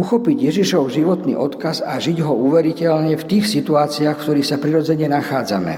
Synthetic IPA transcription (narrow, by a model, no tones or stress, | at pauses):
uxɔpiɟjɛʒiʃɔʊʒiʋɔt̪nḭːʔɔt̪kazaʒiɟɦɔuːʋɛɾicɛlɲɛft̪iːxsit̪uaːt͡siaːxkt̪ɔɾiːxsapɾiɾɔd͡zɛɲɛnaxaːd͡zamɛ̰